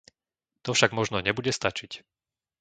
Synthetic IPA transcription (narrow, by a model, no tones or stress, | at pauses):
t̪ɔfʃaɡmɔʒnɔɲɛbuɟɛst̪at͡ʃic